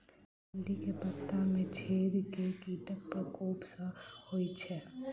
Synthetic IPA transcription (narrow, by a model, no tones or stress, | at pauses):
ənd̪ikepət̪ːamẽt͡ʃʰeːɾkekiːʈək̚pəkoːpsəhoit͡ʃʰɛ